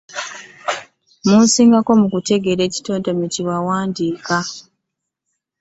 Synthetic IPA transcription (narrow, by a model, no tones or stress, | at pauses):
munsiːŋɡako̞mukute̞ɡe̞ɾe̞ːci̥toːndameciwawaːndiːka